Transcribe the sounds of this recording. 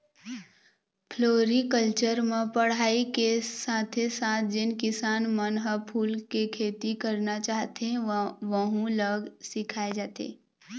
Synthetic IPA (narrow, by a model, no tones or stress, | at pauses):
pʰloːɾikəlt͡ʃəɾmẽpəɽ̤aːikesãːt̪ʰesaːt̪̚ʰd͡ʒɪnkɪsaːnmənɦəpʰuːlkekʰeːt̪ikəɾnat͡ʃaːɦt̪ẽʋəɦũləɡsɪkʰaːed͡ʒaːt̪ḛː